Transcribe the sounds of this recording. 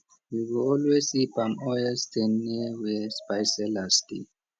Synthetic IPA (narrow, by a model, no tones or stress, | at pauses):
wiwɔlwesibamɔjɛstʰɛnːiwɛspajsɛlastḭ